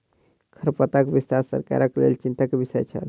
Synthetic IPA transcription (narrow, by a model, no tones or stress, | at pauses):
kʰəɾpət̪akbist̪aɾsə̰ɾka̰ɾəklḛlt͡ʃint̪akebisɛ̰t͡ʃʰə̰l